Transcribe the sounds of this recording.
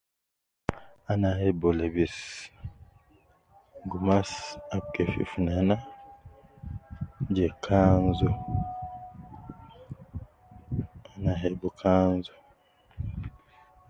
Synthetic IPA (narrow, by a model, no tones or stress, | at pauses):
anahebolebis | ɡumasab̚kefḭfunana | d͡ʒekʰanzo | anaɦebokʰanzo